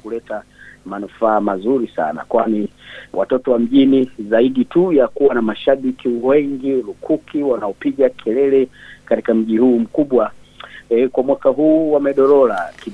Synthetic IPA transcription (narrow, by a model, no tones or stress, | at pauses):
kulɛtamanufaːmazuɾisa̰na̰kwaniwa̰tɔtɔwam̩ʄinizaiɗitujakuwanamaʃaɓikiwɛŋɡiɾukʰukʰiwanaɔpiɠakʰɛlɛlɛkatikam̩ʄihuːm̩kuɓwa | kwamwakaɦuːwamɛɗɔɾɔlaki